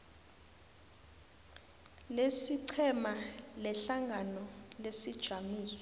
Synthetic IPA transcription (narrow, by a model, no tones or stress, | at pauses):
lesiǀʰɛmalɛɬaŋɡʱanɔlesid̥ʒ̥ʱamiːsɔ̥